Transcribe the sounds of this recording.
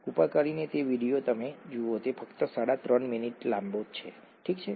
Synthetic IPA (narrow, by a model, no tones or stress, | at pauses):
upakəɾinet̪eʋiɽijot̪əmed͡ʒuot̪efəkt̪əsaɽat̪ɾənminiʈlãmbot͡ʃʰḛ | ʈʰikt͡ʃʰe